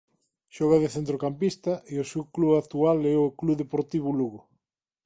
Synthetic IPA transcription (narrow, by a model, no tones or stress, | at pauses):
ʃɔɣɐðeθent̪ɾokampist̪ɐʔeosewkluak̚t̪ualɛʊkluðepoɾt̪iβuluɣʊ